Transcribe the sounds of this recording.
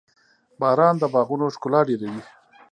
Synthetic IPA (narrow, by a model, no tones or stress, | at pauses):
bɑːɾɑːnd̪əbɑɣunoʂkʊlɑːɖeɾawi